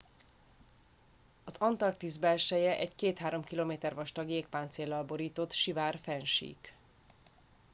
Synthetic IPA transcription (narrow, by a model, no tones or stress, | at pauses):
ɒzɒnt̪ɒrk̚t̪izbɛlʃɛjɛʔɛɟkeːt̪haːɾo̞mkiloːmeːt̪ɛrvɒʃt̪ɒɡjeːk̚paːnt̪seːlːɒlbo̞ɾiːt̪o̞t̪ʃivaːrfɛnʃḭːk